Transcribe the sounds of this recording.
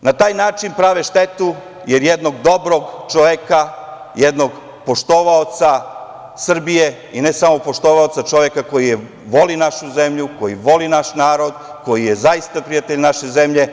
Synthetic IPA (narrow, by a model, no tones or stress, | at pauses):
nat̪aːjnaːt͡ʃinpɾaʋeʃt̪et̪u | jeɾjed̪no̞ɡd̪o̞bɾo̞ɡt͡ʃoʋeka | jed̪no̞ɡ | po̞ʃt̪o̞ʋaot̪sa | sr̩bije | inesamo̞po̞ʃt̪oʋaot̪sat͡ʃo̞ʋekako̞jije | ʋo̞linaʃuze̞mʎuko̞jiʋo̞linaʃnaːɾo̞d̪ | ko̞jijezajist̪apɾijat̪eʎnaʃezemʎe̞